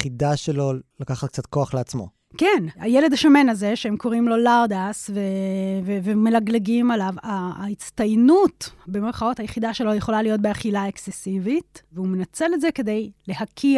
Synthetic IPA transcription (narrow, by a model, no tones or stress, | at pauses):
χid̪aʃelo̞lakaχat̪k̚t͡sat̪̚koaχleat͡smo̞̰ | kenajele̞d̪aʃame̞nazeʃeemko̞ʁimlo̞laʁd̪asvevevemelaɡleɡimalavait͡st̪ajnutbe̞meʁχao̞thajeχid̪aʃe̞lojeχo̞lalijo̞t̚beaχilaeksesivitveumenat͡se̞letzeke̞d̪e̞jle̞hakʰi